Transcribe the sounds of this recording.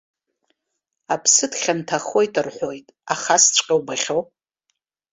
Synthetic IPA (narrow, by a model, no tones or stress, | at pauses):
apʰsɨdχʲantʰaχo̞jtʰɨrħʷo̞jtʼaχast͡ʃʷʼqʲʼawbaχʲo̞w